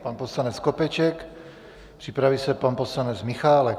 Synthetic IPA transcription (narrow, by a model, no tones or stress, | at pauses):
panposlanɛt͡skopɛt͡ʃɛk | pr̝̥ipɾavisɛpanposlanɛd͡zmɪxaːlɛk